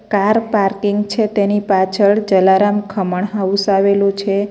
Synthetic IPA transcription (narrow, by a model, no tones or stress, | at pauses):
kaɾpaɾkiŋɡt͡ʃʰet̪enipat͡ʃʰəɭd͡ʒəlaɾamkʰəməɳɦaʋusaʋelũt͡ʃʰe